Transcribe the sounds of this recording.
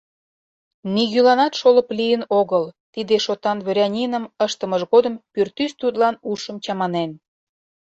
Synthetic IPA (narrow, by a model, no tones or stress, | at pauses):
niɣylɑnɑt̪ʃoləplijənoɣəlt̪id̪eʃot̪ɑnβɾʲɑnʲinəməʃt̪ə̆məʒɣod̪əmpyrt̪yst̪ut̪lɑnuʃəmt͡ɕɑmɑnen